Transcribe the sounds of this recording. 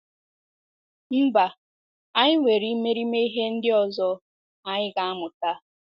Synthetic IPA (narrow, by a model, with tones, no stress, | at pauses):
m̩˦ba˨ | a˦ɲɪ˦ŋʷe˨ɾi˦me˦ɾi˦me˦i˦ɦe˦n̩˦dɪ˦ɔ˨zɔ˦ | a˨ɲɪ˦ɡa˨a˦mʊ˨ta˦